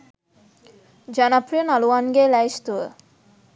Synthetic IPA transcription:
d͡ʑanapɾinaluanɡelajst̪ue

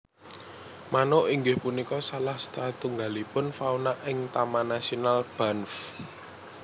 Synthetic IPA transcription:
manoʔiŋɡɪhpunikɔsalahst̪at̪uŋɡalipʊnfaunaʔɪŋt̪amanasionalb̥anf

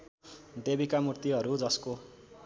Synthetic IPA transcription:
d̪ebikamurt̪iʌɾud͡zʌsko

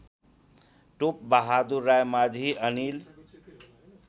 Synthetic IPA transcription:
ʈup̚bəɦad̪uɾːajmad͡ʒʱiənil

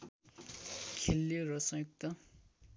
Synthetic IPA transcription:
kʰelːorʌsʌ̃juk̚t̪ʌ

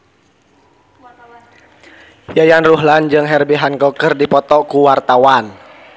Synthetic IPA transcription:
jajanruɦland͡ʒɨŋɦɛrbiɦankɔkərdipɔt̪ɔkuwart̪awan

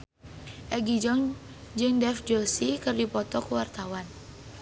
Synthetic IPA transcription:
ʔɛɡid͡ʒɔŋ | d͡ʒɨŋdɛfd͡ʒɔsikɨrdipɔt̪ɔkəwart̪awan

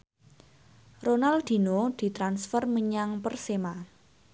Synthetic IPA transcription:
ronald̪̥i̤nod̪̥i̤t̪ɾansfərməɲaŋpərsema

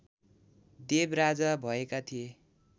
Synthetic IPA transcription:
d̪ebrad͡zabʱʌekat̪ʰije

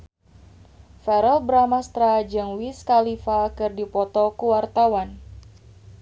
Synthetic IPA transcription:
fɛɾɔlbəɾamast̪ɾad͡ʒɨŋwiskalifakɨrdipɔt̪ɔkuwart̪awan

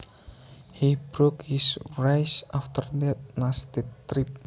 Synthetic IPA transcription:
hibɹokhisɹajsaft̪ʰəɾd̪ɛt̚nast̪et̪ɾip̚

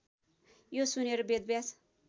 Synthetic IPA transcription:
josuneɾobed̪̚bjas

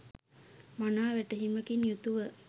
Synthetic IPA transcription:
manaːʋɛʈəɦiməkinjut̪uʋə

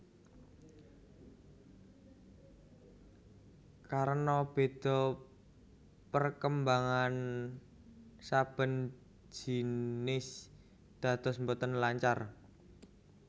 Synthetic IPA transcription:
kaɾnɔb̥e̤d̪̥ɔ̤ | pərkəmbaŋan | sab̥ə̤n̥ | d͡ʒ̥i̤nɪs | d̪̥ä̤t̪ɔsmbɔt̪ənlaɲt͡ʃar

